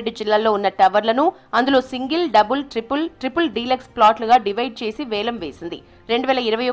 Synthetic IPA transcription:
ɖːud͡ʒilːaːlːo̞ːunːɐʈɐʋɐɾlɐnuɐnd̪ulo̞ːsiŋɡɐlɖɐbulʈɾipulʈɾipulɖiːleksplaːʈluɡaːɖiʋɐjɖ̚t͡ʃe̞ːsiʋɛːlɐmʋe̞ːsind̪ḭ | ɾe̞ɳɖuʋɛːlɐiɾɐʋɐjo

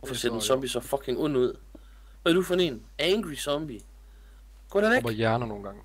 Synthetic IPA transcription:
fɒse̝ɐ̰d̥ensɒ̽mb̥isɒfɒ̽kʰeŋɔn̰uð̞̰ˠ | ʋæd̥ufɔnḛn | æŋɡ̥ʁisɒ̽mb̥i | ɡ̥ɒ̰ɾenejæɐnɐno̝ːn̩ɡ̥ɑ̈ŋ

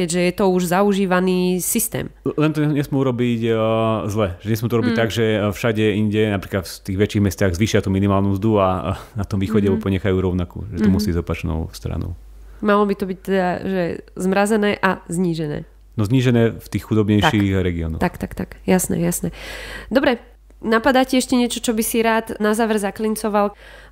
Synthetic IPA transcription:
kɛɟʒɛjɛt̪ɔuʒzauʒiːʋaniːsist̪ɛ̰ːmlɛnt̪ɔɲɛsmɛuɾɔbiczlɛʒɛɲɛsmɛt̪ɔuɾɔbic̚t̪aɡʒɛfʃaɟɛiɲɟɛnapɾiːklat̪ft̪iːɣʋɛt͡ʃiɣmɛst̪aːɣzʋiːʃɪat̪uːminimaːlnuzd̪uanat̪ɔmʋiːxɔɟɛɔpɔɲɛxajuːɾɔʊnakṵːʒɛt̪ɔmusibizɔpat͡ʃnɔ̰ʊst̪ɾa̰nɔ̰ʊ | malɔbit̪ɔbic̚t̪ɛd̪aʒɛzmɾazɛnɛːʔazɲiːʒɛnɛ̰ː | nɔzɲiːʒɛnɛːft̪iːxxud̪ɔbɲɛjʃixɾɛɡiɔ̰nɔ̰xt̪akt̪akt̪akjasnɛ̰jasnɛd̪ɔbɾɛ | napad̪acɛɛʃcɛɲɪɛt͡ʃɔt͡ʃɔbisiɾaːd̪nazaːʋɛɾzaklint͡sɔʋal

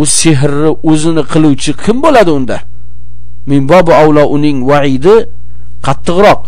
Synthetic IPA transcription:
ʊseɦɾːɪɵzɪnɪqʰɨlˠuwt͡ʃʰɪkʲʰɪmbolad̪ɪʊnd̪a | mɪmbɒbʊawlˠɒʔʊnɪŋwaʕɪd̪ɪ | qʰɑt̪ʰːɨqɾɒq̚

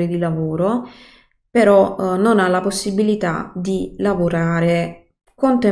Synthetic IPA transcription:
ɾid̪ilavoːɾo | peɾɔnonalaposːibilit̪a̰d̪ilavoɾaːɾe | kont̪e

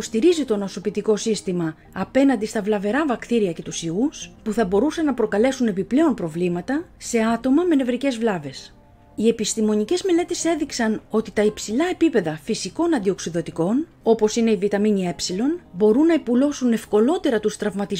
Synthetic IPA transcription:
ost̪iɾizit̪o̞no̞sopit̪iko̞sist̪imɐː | pe̞nɐnd̪ist̪ɐvlɐve̞ɾɐvɐkt̪iɾiɐce̞t̪usiuspuθɐbo̞ɾusɐnːɐpɾo̞kɐle̞sune̞piple̞o̞mpɾo̞vlimɐt̪ɐse̞ɐt̪o̞mɐme̞ne̞vɾice̞zvlɐve̞s | ie̞pist̪imo̞nice̞zme̞le̞t̪e̞se̞ðiksɐno̞t̪it̪ɐipsilɐe̞pipe̞ðɐfisiko̞nɐnd̪io̞ksiðo̞t̪iko̞n | o̞po̞sine̞ivit̪ɐminie̞psilo̞nbo̞ɾunːɐipulo̞sune̞fko̞lo̞t̪e̞ɾɐt̪ust̪ɾɐvmɐt̪iz

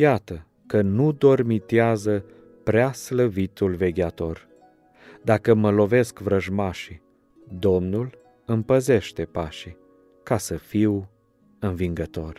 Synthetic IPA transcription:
jat̪ə | kənud̪o̞rmit̪eazə | pɾeasləvit̪ulve̞ɡʲeat̪o̞r | d̪akəməlo̞ve̞skvɾəʒmaʃi | d̪o̞mnul | ɨmpəze̞ʃt̪e̞paʃi | kasəfiw | ɨnviŋɡət̪o̞r

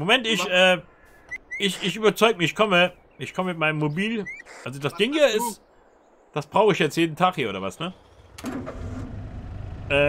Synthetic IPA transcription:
momɛntɪçʔɛː | ʔɪçɪçʔyːbɐt͡sɔʏɡəmɪɪçkʰɔmə | ʔɪçkʰɔməmɪt̚maɪnəmːobiːlʔalzodasd̥ɪŋhiːɐɪs | d̥asb̥ʁaʊxəɪçjɛt͡stjeːdn̩tʰaːχhiːɐoːɾɐvasnə | ʔɛː

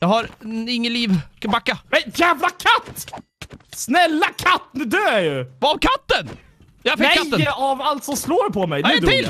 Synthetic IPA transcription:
jɑɦhaɾɪŋːəliːvkbakːamɛjæːvlakʰat̪ː | snɛlːakʰat̪ːnɛd̪øːæjɵvaːvkʰat̪ːən | jafɪkːat̪ːəavalt̪sɔmsloːɾpʰɔmɛjd̪ɛɪl

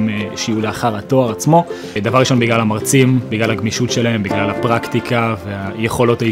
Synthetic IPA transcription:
meʃiuleaχaʁato̞aʁat͡smo̞ | d̪avaʁiʃo̞nbiɡlalamaʁt͡simbiɡlalaɡmiʃutʃe̞lae̞mbiɡlalapʁakt̪ikaveajeχo̞lo̞ta

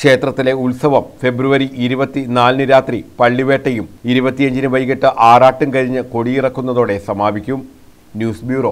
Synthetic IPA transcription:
kʂe̞ːt̪rɐt̪ːile̞ulsɐʋɐmfe̞bɾuʋɐɾiʔiɾubɐt̪ːinaːlnɨɾaːt̪ripɐɭːiʋe̞ːʈːɐjumiɾubɐt̪ːiɐɲd͡ʑinɨʋɐjiɣɐʈːɨʔaːraːʈːumkɐɾiɲːɨko̞ɽijirɐkːunːɐðo̞ːɽe̞sɐmaːbikʲːum | njuːsbjuːro̞ː

